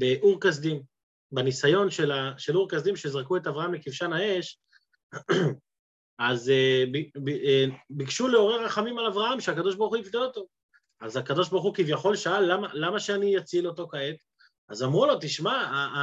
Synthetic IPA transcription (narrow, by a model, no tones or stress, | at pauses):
beʔuʁkas̬d̪im | banisajo̞nʃelaʃeluʁkasd̪imʃezʁakue̞tavʁahamlekifʃanae̞ʃ | azeb | bikʃuleo̞ʁeʁaχamimalavʁahamʃeakad̪o̞ʃbaʁuχuifd̪elo̞t̪o̞ | azakad̪o̞ʃ̬baʁuχukivjaχo̞lʃaalːamalamaʃeanijat͡sileo̞t̪o̞kaet̪ | azamʁulo̞t̪iʃmaa